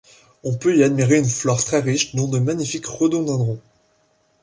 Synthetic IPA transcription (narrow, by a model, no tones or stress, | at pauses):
ɔ̃pøiad̪miʁeynflɔʁt̪χɛʁiʃd̪ɔ̃d̪əmaɲifikʁəd̪ɔ̃d̪ɛ̃d̪ʁɔ̃